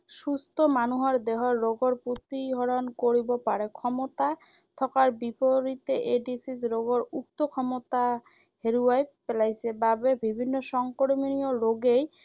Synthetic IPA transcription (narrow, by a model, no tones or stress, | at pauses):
ʃust̪ʰomanuɦɔɾd̪eɦoɾːoɡoɾput̪iɦɔɾonkoɾibopaɾekʰɔmot̪a | t̪ʰɔkaɾbipoɾit̪eʔeɖisisɾoɡoɾuk̚t̪okʰɔmot̪a | ɦeɾuajpelajsʰebabebibʱinːoʃɔŋkoɽminioɾoɡej